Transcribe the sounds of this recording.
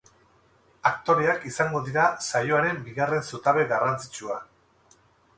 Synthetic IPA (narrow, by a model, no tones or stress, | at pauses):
ak̚t̪o̞ɾe̞akisaŋɡo̞ðiɾasajo̞aɾe̞mbiɣare̞nsut̪aβe̞ɣarant͡si̥t͡ʃua